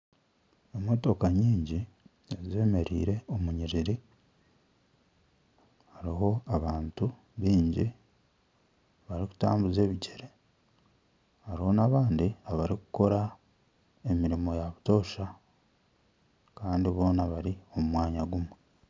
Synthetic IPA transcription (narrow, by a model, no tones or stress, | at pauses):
emoto̞kaɲiːɲɟi | eze̞ːme̞ɾḭːɾe̞o̞muɲiɾiɾi | haɾiɦo̞aβaːntu | βiːɲɟi | βaɾiku̥ta̰ːmbuze̞ːβiɟeɾe | haɾiho̞naːβaːndiaβaɾikuko̞ɾa | e̞miɾimo̞jaβuto̞ːʃa | kaːndiβo̞ːnaβaɾio̞mumwaːɲaɡumwe